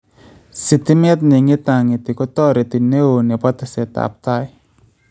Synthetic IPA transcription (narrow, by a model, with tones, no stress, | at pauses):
si˨t̪i˦me˦t̪̚ni˨ŋi˦t̪a˨ŋi˨t̪i˨kɔ˦t̪ɔ˦ɾe˨t̪i˨ne˦o˨ne˨pɔ˦t̪a˨se˨t̪a̰˨p̚t̪a˦j